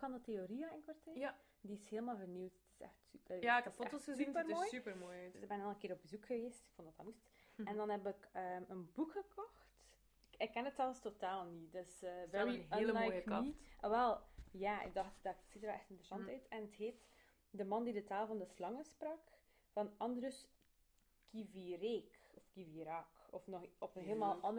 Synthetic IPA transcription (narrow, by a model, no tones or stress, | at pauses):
kɑndəteoɾiəɪnkwartɛ | diɪsheːlˠmaːlˠvərniwtətɪ̥sɛ̰xtsy̥jakfotosəzsynəmoːjsypəmoːjɪɡbɛnɑlˠənkɪːɾɔb̚bəzukxəʋeːstɪ̥kfɔndɑtamustɛndɑnɛbəkəːənbukxəkɔxt | ɪkːɛnətɑlˠəstotaːlˠnidøsːnɦəeːlnlənmjoːjkəiʋɛlˠjaːʔɪ̰ɡ̚dɑxtdɑtsitərɛlˠɛxtɪntɾəsɑntœɥtʰɛnətheːt | dəmɑndidətaːlˠvɑndəslɑŋəsprɑk | vɑnɑndrəs | kʰivireːkɔfkiviɾɑkɔfnɔxɔpənɦeːləmaːlˠɑnd